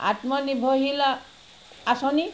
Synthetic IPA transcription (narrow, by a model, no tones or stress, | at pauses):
a̰t̪mɔnibʱoɦila | asɔni